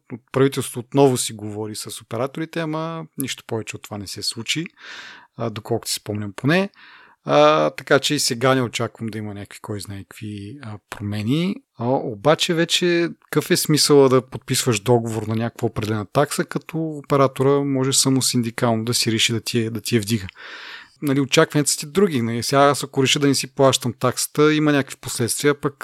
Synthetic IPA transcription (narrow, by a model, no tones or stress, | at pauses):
ot̪̚pɾɐvit̪ɛlˠsot̪oːt̪nɔvʊsiɡovɔɾisɐsopɛɾat̪oɾit̪ɛɐmɐniʃt̪o̥pɔvɛt͡ʃɛot̪ːo̥vanɛsɛslˠut͡ʃi | d̪okɔlˠkʊ̥t̪sispɔmnʲɐmponɛ | ət̪ɐkat͡ʃɛisɛɡanɛot͡ʃakvəmd̪ɐimɐnʲakəkvi̥kʰɔjznaɛ̥kviəpɾomɛnʲi | əobat͡ʃɛvɛt͡ʃɛkəfɛsmisəlˠəd̪ɐpot̪̚pisvəʒd̪ɔɡovoɾnɐnʲakə̥kvəopɾɛd̪ɛlɛnət̪aksəkɐt̪ʰɔːpɛɾat̪oɾəmɔʒɛsamʊsind̪ikalˠnod̪ɐsiɾɛʃid̪ɐt̪ʲiɛd̪ɐt̪ʲiɛvd̪iɡə | nɐliot͡ʃakvɐnʲɛt̪st̪id̪ɾuɡʲinɐlisɛɡaasɐkʊɾɛʃəd̪ɐnɛsiplˠaʃt̪əmt̪aksə̥t̪əimɐnʲakəkvi̥poslɛt̪st̪viəpɐk